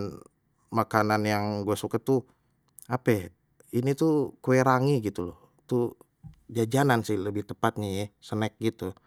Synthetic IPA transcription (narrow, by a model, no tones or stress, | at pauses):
makananjaŋɡuasukat̪u | apɛ | init̪ukoeɾaŋiɡit̪ulɔ | t̪u | d͡ʒad͡ʒanansɪhləbɪht̪əpat̪̚ɲajɛsənɛk̚ɡit̪u